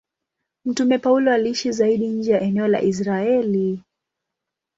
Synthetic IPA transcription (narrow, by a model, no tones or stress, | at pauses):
m̩tumɛpaulɔaliiʃizaiɗiɲ̩d͡ʒɛjaʔɛnɛɔla̰ʔis̬ɾaɛli